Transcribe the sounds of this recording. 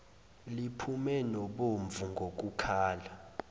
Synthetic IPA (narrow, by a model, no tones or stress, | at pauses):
lipʰumɛnɔɓoɱvuŋɡʱok̬ʼukʰaːla